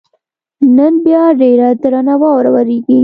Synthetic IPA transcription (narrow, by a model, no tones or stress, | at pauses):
nənbjɑɖeɾad̪ɾanawɑwɾawaɾeɡi